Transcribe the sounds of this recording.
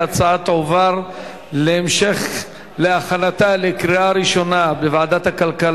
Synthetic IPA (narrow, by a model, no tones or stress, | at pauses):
at͡saat̪ʕovaʁ | leemʃe̞χ | leaχanat̪alekɾiaɾiʃo̞nabevaʕad̪at̪hakalkal